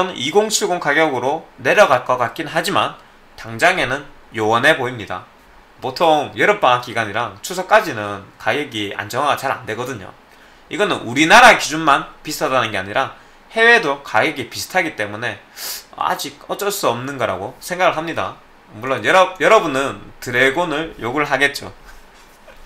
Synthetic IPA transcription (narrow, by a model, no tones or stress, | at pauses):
ʌniɡoŋt͡ɕʰiɡoŋkaɡjʌɡɯɾone̞ɾjʌɡat̚k͈ʌk͈ak͈inɦad͡ʑiman | taŋd͡ʑaŋe̞nɯn | jowʌnɦe̞boimɲida̰ | potʰoŋjʌɾʌp͈aak͈iɡaɲiɾaŋt͡ɕʰusʰʌk͈ad͡ʑinɯnkaɡeɡia̰nd͡ʑʌŋwaɡat͡ɕaɾa̰nde̞ɡʌdɯɲo̰ | iɡʌnɯnʔuɾinaɾaekid͡ʑunmanpisʰtʰʌdanɯnɡe̞aɲiɾa | he̞we̞dokajeɡipisʰɯ̥tʰaɡit͈e̞mune̞ʌ̰a̰d͡ʑiɡ̚ʌt͡ɕ͈ʌɭs͈uʌmnɯnɡʌɾa̰ɡosʰe̞ŋɡaɡɯɭɦamɲida̰ | muɭːonjʌɾʌjʌɾʌbunɯntɯɾe̞ɡonɯɭjoɡuɭɦaɡe̞t̚t͡ɕ͈o̰